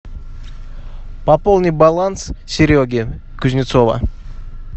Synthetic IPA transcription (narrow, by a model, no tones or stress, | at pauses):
papolˠnʲibalˠanssʲɪɾʲoɡʲi | kʲʉzʲnʲɪt̪sova̰